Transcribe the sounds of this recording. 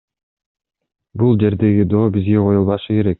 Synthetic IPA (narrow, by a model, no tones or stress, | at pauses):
bulˠd͡ʒe̞ɾd̪e̞ɡid̪o̞ːbizɡeqʰo̞julˠβɑʃɯke̞ɾek̚